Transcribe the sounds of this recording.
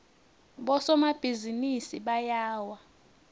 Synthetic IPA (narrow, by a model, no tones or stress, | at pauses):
ɓɔsɔmab̥ʱizinisiɓajaːwa